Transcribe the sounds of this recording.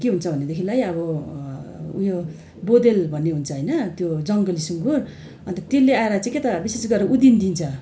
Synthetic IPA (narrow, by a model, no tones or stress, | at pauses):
keɦunt͡sʰʌbʱʌnːed̪ekʰilajʌβʌ | ṵjo | bod̪elbʱʌnːeɦunt͡sʰʌɦʌjnʌt̪jod͡zʌŋɡʌlisuŋɡur | ʌnt̪ʌt̪elːeaeɾʌt͡sãket̪ʌbisesɡʌɾʌʔud̪ind̪int͡sʰʌ